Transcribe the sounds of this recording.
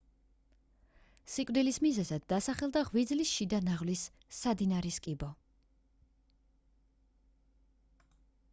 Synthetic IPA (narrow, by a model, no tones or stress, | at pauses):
sikʼvd̪ilismizɛzad̪ːasaχɛlˠd̪aʁwid̪zlisʃid̪anaʁvlisː | ad̪inaɾiskʼibɔ